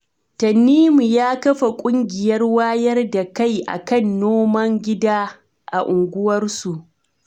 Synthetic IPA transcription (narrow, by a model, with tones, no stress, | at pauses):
tɐ˨nːiː˦mu˨jaː˦kɐ˦ɸa˨kʷʼʊ˦ŋɡʲɪ˨jɐ˦rwaː˦jɐ˦rda˨ka˦˨jʔa̰˨kɐ˦˨nːoː˦mɐ˦ŋɡʲɪ˦daː˦ | ʔa̰˨ʔʊ˨ŋɡʷʊ˦wɐ˦rsu˨ʔ